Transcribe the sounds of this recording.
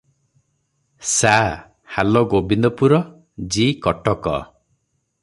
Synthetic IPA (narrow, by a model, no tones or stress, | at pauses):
sa | halɔɡobind̪ɔpuɾɔ | d͡ʒikɔʈɔkɔ̰